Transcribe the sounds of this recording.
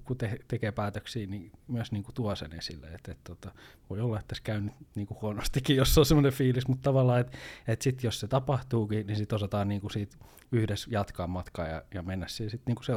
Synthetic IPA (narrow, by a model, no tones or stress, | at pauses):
kut̪eht̪ekeːpæːt̪øksiːnimyøsniːŋkut̪uɑsḛnḛsilːḛet̪et̪t̪ot̪ɑʋoiolːɑet̪ːæskæynyt̪niːŋkuhuonost̪ikːijosːolsemːˑonefiːlismut̪t̪ɑʋɑlːɑːet̪et̪sit̪josset̪ɑpɑht̪uːkinisit̪osɑt̪ɑːnniːŋkusiːt̪ | yhdesjɑt̪kɑːmmɑt̪kɑ̰ːjɑ̰jɑmenːæssisit̪niːŋku̥se